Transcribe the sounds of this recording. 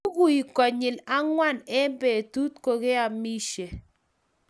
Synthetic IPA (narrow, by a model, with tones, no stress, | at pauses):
ɡu˦i˨kɔ˨ɲɪ˨la˦ŋwa˦˨nɛ˦mbe˨tu˦tko˨ɣe˦a˨mi˦ʃe˨